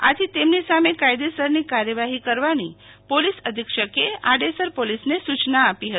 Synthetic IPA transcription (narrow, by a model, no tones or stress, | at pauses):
a̰t̪ʰit̪emnisamekajd̪esəɾnikaɾjəʋaɦikəɾʋani | polisəd̪ʱikʃəkeaɖesəɾpolisnesut͡ʃnaːpiɦət̪i